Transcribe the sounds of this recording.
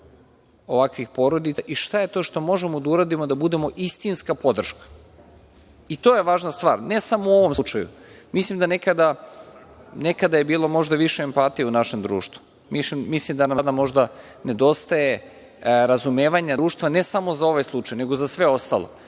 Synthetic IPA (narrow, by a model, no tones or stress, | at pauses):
o̞ʋakʋixpo̞ɾo̞d̪it̪aʔiʃt̪ajet̪o̞ʃt̪o̞mo̞ʒemo̞d̪auɾad̪imo̞d̪abud̪e̞mo̞ʔist̪inskapo̞d̪r̩ʃkḁ | it̪o̞je̞ʋaːʒnast̪ʋaːɾne̞samouo̞ʋo̞mut͡ʃajṵmislˠimd̪anekad̪a | nekad̪aje̞biːlˠo̞mo̞ʒd̪aʋiʃeːmpat̪ijeunaʃe̞md̪ɾṵːʃt̪vu̥ | misimmislimd̪anamd̪amo̞ʒd̪a | ne̞d̪o̞st̪aje̞ | ɾazume̞ːʋaɲaɾuːʃt̪ʋane̞samo̞zao̞ʋajslˠut͡ʃajne̞ɡozasʋe̞o̞st̪a̰lo̰